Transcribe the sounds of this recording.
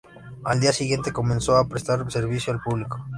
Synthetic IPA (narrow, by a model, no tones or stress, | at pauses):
ald̪iasiɣje̞nt̪e̞ko̞mẽnsoapɾest̪aɾse̞ɾβ̞isjoalpuβliko